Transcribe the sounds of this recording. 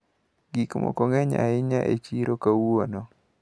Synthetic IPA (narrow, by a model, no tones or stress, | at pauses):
ɡikmɔ̰koŋɛɲa̰ɪɲaʔet͡ʃiɾokawuonɔ